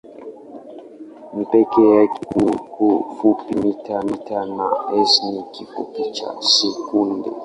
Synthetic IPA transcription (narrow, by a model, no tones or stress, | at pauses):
nipɛkɛjakukufupimitʰamitanaɛsnikifṵpit͡ʃa̰sɛkundɛ̰